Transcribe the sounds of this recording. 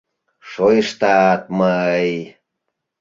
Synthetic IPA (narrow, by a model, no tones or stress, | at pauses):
ʃojəʃt̪ɑt̪̚məəj